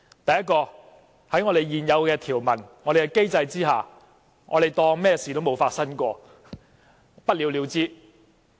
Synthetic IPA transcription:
t̪ɐ˨jɐ˥t̚kɔː˧ | hɐ˨˥jŋɔː˨˧ɾe˨jjiː˨˩njɐ˨˧wkɛː˧t̪ʰiː˨˩wmɐ˨˩nŋɔː˨˧ɾe˨jkɛ˧ke˥jt͡sɐ˧jt͡siː˥ɦa̰ː˨ | ŋɔ̰ː˧ɾe˨˩jt̪ɔː˧ŋmɛː˥siː˨t̪o˥wmo˨˧wfaː˧t̚sɐ˥nkʷɔː˧ | pɐ˥t̚li˨˧wli˨˧wt͡siː˥

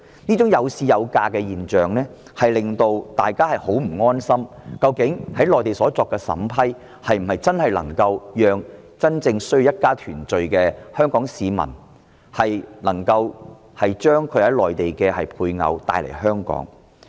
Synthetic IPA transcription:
niː˥t͡sʊ˨˥ŋjɐ˨˧wsiː˧jɐ˨˧wkaː˧kɛː˧jiː˨nt͡ʃœː˨ŋnɛː˥ | hɐ˨jlɪ˨ŋt̪o˧wt̪aː˨jkaː˥hɐ˨jho˨˥wm̩˨˩ŋɔː˥nsɐ˥mkɐ˧wkɪ˨˥ŋhɐ˨˥jlɔː˨jt̪e˨˩jsɔː˨˥t͡sɔː˧kːɛ˧sɐ̰˨˥mpʰɐ˥j | hɐ˨jm̩˨˩hɐ˨˩jt͡sɐ˥nhɐ˨˩jlɐ̰˨˩ŋkɐ˧wjœː˨ŋ | t͡sɐ˥nt͡sɪ˧ŋsɵ˥ji˧jɐ˥t̚kaː˥t̪ʰyː˨˩nt͡ʃɵ˨˧ɥkɛː˧hœː˥ŋkɔː˨˥ŋsiː˨˧mɐ̰˨˩n | hɐ˨jnɐ˨˩ŋkɐ˧w | hɐ˨jt͡ʃœː˥ŋkʰɵ˨˧ɥhɐ˨˥jlɔː˨jt̪e˨jkɛː˧hɐ˨jpʰuː˧jŋɐ̰˧wt̪a̰ː˧jlḛ˨˩jhœː˥ŋkɔ̰ː˨˥ŋ

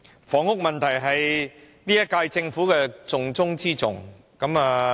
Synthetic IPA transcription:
fɔː˨˥ŋhʊ˥k̚mɐ˨nt̪ʰɐ˨˩jɦɐ˨j | niː˥jɐ˥t̚kaː˧jt͡sɪ˧ŋfuː˨˥kɛː˧t͡sʊ˨ŋt͡sʊ˥ŋt͡siː˥t͡sʊ˨ŋ | kɐ˨˥maː˨˧

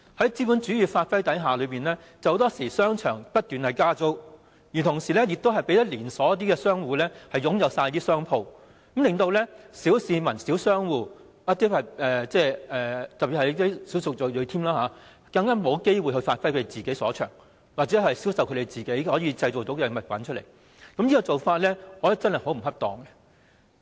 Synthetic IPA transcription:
hɐ˨˥jt͡siː˥mu˨˥nt͡ʃyː˨˥jyː˨˧faː˧t̚fɐ˥jt̪ɐ˨˥jɦaː˨lɵ˨˧piː˨nlɛː˥ | t͡sɐ˨who˧˥wt̪ɔː˥siː˨˩sœː˥ŋt͡ʃʰœː˨˩ŋpɐ˥t̚t̪yː˨nhɐ˨jkaː˥t͡so˥w | jiː˨˩t̪ʰʊ˨˩ŋsiː˨˩lɛː˥jɪ˨k̚t̪o˥ɦɐ˨˩jpe˨˥jt̪ɐ˥liː˨˩nsɔː˨˥jɐ˥t̪̬iː˥kɛː˧sœː˥ŋwuː˨˧lɛː˥hɐ˨jʊ˨˥ŋjɐ˨˧wsaː˧jt̪iː˥sœː˥ŋpʰo˧w | mlɪ˨ŋt̪o˧wlɛː˥siː˨˥wsiː˧mɐ˨˩nsi˨˥wsœː˥ŋwuː˨˧ | jɐ˥t̪iː˥hɐ˨jɛː˨t͡sɛː˥ɛː˨˩t̪ɐ˨˩pi˨thɐ˨jt̪i˥siː˨˥wsʊ˨k̚jo˨˩jɵ˨˧jt̪ʰiː˥mlaː˥ɦaː˨˦ | kɐ˧ŋkaː˥mo˨˧wke˥jwu˨jɦɵ˧jfaː˧t̚fɐ˥jkʰɾe˨t͡siː˨ke˨˥jsɔː˨˥t͡ʃʰœ̰ː˨˩ŋ | waː˨t̚t͡sɛː˨˥ɦɐ˨jsiː˨˥wsɐ˨wkʰɵ˧te˨jt͡siː˨ke˨˥jhɔː˨˥jiː˧t͡sɐ˧jt͡so˨˩wt̪o˨˥wkɛ˧mɐ˨t̚pɐ̰˨˥nt͡ʃʰɵ˥t̚lḛ˨˩j | kɐ˨˥mji˥kɔ˧t͡so˨wfaː˧t̚lɛː˥ɔː˨˧jɐ˥t͡sɐ˥nhɐ˨jho˨˥wm̩˨˩hɐ˥p̚t̪ɔː˨ŋkɛ˧

